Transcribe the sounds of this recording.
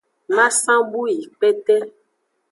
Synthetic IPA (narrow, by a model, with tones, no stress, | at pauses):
mã˦sã˦bu˦i˨k͡pɛ˦tɛ˦